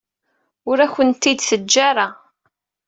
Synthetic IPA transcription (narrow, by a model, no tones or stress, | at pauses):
ʊɾæçʷənt̪ːid̪θəd͡ʒːaɾˤa